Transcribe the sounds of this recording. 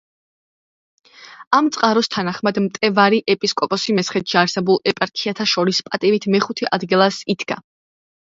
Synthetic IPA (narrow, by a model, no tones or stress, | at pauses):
amt̪sʼqʼaɾɔst̪ʰanaχmad̪mt̪ʼɛvaɾiʔɛpʼiskʼɔpʼɔsimɛsʰχɛt̪ʃʰiaɾsɛbulˠɛpʼaɾkʰiat̪ʰaʃɔɾispʼat̪ʼivit̪ʰmɛχut̪ʰɛʔad̪ɡilˠasid̪ɡa̰